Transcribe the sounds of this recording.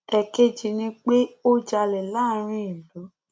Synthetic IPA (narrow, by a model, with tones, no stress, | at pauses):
ɛ˧ke˦d͡ʒi˧nĩ˦k͡pe˦o˦d͡ʒa˧lɛ˨la˦˨˦ɾ̃ĩ˧˦i˨lu˨˦